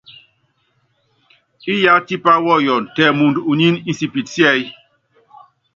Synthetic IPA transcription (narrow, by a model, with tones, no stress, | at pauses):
i˦ja˨˦ti˦pa˦wɔ˦˨jɔ˨n̩˨tɛ˨mu˨ndu˨ɲi˦ni˦n̩si˨pi˨tsjɛ˦j